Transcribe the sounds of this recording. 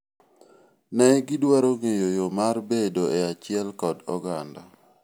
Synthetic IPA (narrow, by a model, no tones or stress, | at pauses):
nɛɡɪdwaɾoŋejojomarbedoeat͡ʃɪɛlkɔdɔɡanda